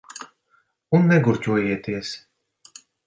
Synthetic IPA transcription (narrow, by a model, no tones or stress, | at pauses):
unːɛɡuɾcʲuɔjiɛt̪iɛs